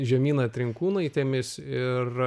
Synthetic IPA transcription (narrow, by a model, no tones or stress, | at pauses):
ʒʲɛmʲiːnɐt̪ʲɾʲɪŋkuːnɐɪt̪ʲeːmʲɪsɪr